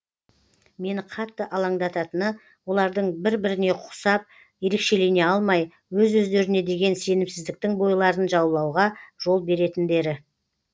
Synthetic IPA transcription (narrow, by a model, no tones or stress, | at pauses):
me̞nɪqʰɑt̪ːəʔɑlˠɑɴd̪ɑt̪ɑt̪ənə | wo̞lˠɑɾd̪əɴbɪɾbɪɾɪne̞qʰʊ̥sɑp̚ | je̞ɾe̞kʃe̞lejne̞ɑlˠmɑj | wɵzɵzd̪e̞ɾɪne̞d̪e̞ɡʲe̞nse̞nɪmsɪzd̪ɪk̚t̪ɪŋbo̞jlˠɑɾənʒɑwlˠɑwʁɑʒ̥o̞lˠbe̞ɾe̞t̪ɪnd̪e̞ɾɪ